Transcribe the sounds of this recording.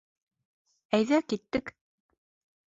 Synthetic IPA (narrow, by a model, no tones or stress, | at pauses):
æjðækit̪ːɘk